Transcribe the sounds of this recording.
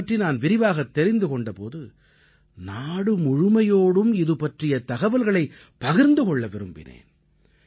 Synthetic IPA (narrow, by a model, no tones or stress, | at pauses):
ʈrinaːnʋɪɾɪʋaːɣɐt̪ːɛɾɪnd̪ɯkɔɳɖɐpo̰ːðɯ | naːɽɯmʊɻʊmɐjoːɽɯmɪðɯpɐʈrɪjɐt̪ɐɣɐʋɐlɣɐɭɐɪ | pːɐɣɪɾnd̪ɯkɔɭːɐʋɪɾɯmbɪ̰nḛːn